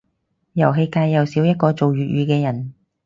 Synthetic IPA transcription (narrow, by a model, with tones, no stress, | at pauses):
jɐ˨˩wɦe˧jkaː˧jːɐ˨wsiː˨˥wjɐ˥t̚kɔː˧t͡so˨wjyː˨t̚jyː˨˧kɛː˧jɐ˨˩n